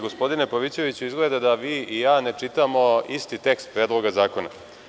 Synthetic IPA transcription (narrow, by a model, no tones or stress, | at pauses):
ɡospo̞d̪ine̞poʋit͡ɕe̞ʋit͡ɕuizɡled̪ad̪aʋiːijaːne̞t͡ʂit̪amo̞ist̪it̪e̞kst̪̚pɾeːd̪lˠo̞ɡazaːko̞na̰